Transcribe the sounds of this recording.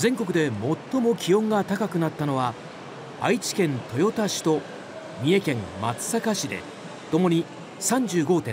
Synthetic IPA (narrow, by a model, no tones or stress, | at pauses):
zẽ̞ŋko̞kɯ̟d̪e̞mo̞t̪ːo̞mo̞kʲiõ̞ŋɡat̪akakɯ̟nat̪ːano̞βa | a̰it͡ɕi̥kẽ̞nt̪o̞jo̞t̪aɕi̥t̪o̞ | mʲie̞kẽ̞mma̰t͡sɨ̥sakaɕid̪e̞̰ | t̪o̞mo̞ɲ̟i | sãɲ̟d͡ʑɨːɡo̞ːt̪ẽ̞